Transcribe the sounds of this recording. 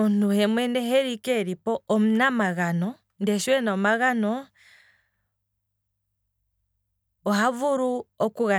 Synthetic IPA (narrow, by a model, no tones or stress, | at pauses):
ntuhɛmwendɛɦeɾikeɾipɔːmunamaɣanɔ | ndɛʃwɛnamaɣanɔ | havuɾuokuɣa